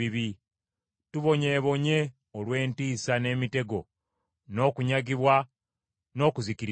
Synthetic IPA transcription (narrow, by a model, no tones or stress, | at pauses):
iβi | tuβo̞ɲe̞ːβo̞ɲe̞ | olwe̞ːntiːsane̞ːmite̞ɡo̞ | no̞ːkuɲaɡiβwa | no̞ːkuzikiɾ